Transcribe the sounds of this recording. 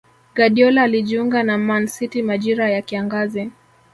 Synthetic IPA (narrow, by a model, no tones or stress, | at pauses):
ɡaɗiɔlaːliʄiuŋɡanamansitimaʄiɾajakiaŋɡazɛ